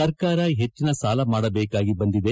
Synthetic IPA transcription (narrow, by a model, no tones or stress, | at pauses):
ɐɾkaːɾɐɦet͡ʃːinɐsaːlɐmaːɽɐbeːkaːɡibɐnd̪id̪e̞